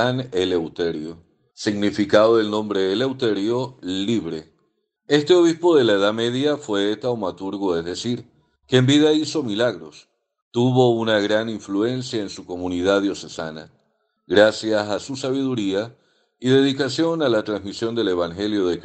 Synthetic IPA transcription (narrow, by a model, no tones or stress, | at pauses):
anelewt̪e̞ɾjo | siɣnifikaðoelnõ̞mbɾe̞ːle̞wt̪e̞ɾjo̞liβɾe̞ | e̞st̪e̞o̞βispo̞ðe̞laeðame̞ðjafwe̞et̪awmat̪uɾɣoezðe̞siɾ | keːmbiðaiso̞milaɣɾo̞s | t̪uβo̞unaɣɾaniɱflue̞nsjaensuko̞mũniðaðjo̞se̞sana | ɣɾasjasasusaβ̞iðuɾia | iðe̞ðikasjo̞nalat̪ɾanzsmisjo̞nd̪e̞le̞βaŋxe̞ljo̞ðek